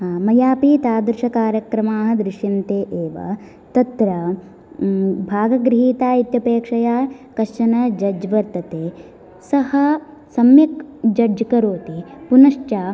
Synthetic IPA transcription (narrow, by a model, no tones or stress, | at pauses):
mɐjaːpit̪aːd̪ɾɪʃɐkaːɾjɐkɾɐmaːɦɐ̆d̪ɾɪʂint̪eːʔeːʋɐ̰ | t̪ɐt̪ɾɐ | bʱaːɡɐɡɾɪɦiːt̪aːit̪jɐpeːkʂɐjaːkɐʃʂɐnɐd͡ʒɐd͡ʒɐʋɐɾt̪ɐt̪eː | sɐhɐ | sɐmjɐkd͡ʒɐd͡ʒɐkɐɾoːt̪ipunɐʂt͡ʃaː